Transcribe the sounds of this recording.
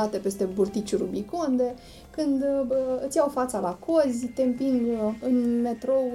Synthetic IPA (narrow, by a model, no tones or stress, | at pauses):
at̪e̞pe̞st̪e̞burt̪it͡ʃuɾubikond̪e̞ | kɨnd̪ɨt̪sʲjawfat̪salakʰozʲt̪empiŋɡɨnme̞t̪ɾo̞